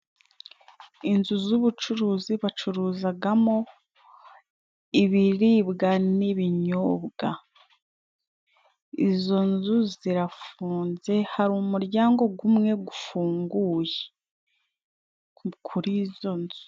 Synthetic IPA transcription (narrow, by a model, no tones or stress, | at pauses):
inzuzuβut͡ʃuɾuːziβat͡ʃuɾuːzaɡamo̞ | iβiɾiːbɡaniβiɲoːbɡa | izo̞nzuziɾafuːnze̞haɾumuɾɟaːŋɡo̞ɡumŋe̞ɡufuːŋɡuːje | kʰuɾizo̞nzu̥